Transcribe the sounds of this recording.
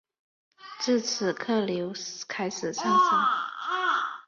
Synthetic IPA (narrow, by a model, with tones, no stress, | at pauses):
ʈ͡ʂɻ̩˥˩t͡sʰɹ̩˨˩kʰɤ˥˩ljo˧˥ʊkʰa˥ɪʂɻ̩˨˩ʂɑ˥˩ŋsa˥˦ŋ